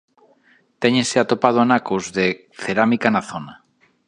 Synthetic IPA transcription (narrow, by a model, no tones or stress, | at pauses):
t̪eɲeseat̪opað̞oanakuzðe | θeɾamikanaθona